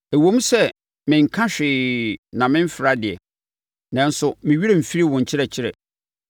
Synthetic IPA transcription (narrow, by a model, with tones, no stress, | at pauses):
æ˨wõ˦m˦sɛ˦ | mɪ̃˨ŋ̩˨kʰã˦ɕᶣɪː˨nã˨mɪ̃˦m̩˦fɪ˨ɾa˦dɪ˨ɛ̰˨ | nɛ̃˦n̩˦sʊ˨mɪ̃˨ɥi˦ɛ˦m̩˨fi˦ɾi˦wʊ̃˨ɲ̩˨t͡ɕʰɪ˦ɾɛ˨t͡ɕʰɪ˦ɾɛ̰˨